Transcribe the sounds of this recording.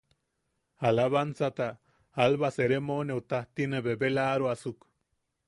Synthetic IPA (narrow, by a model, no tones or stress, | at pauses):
alaβansat̪a | alβaseɾemoneut̪aht̪ineβebelaɾuasuk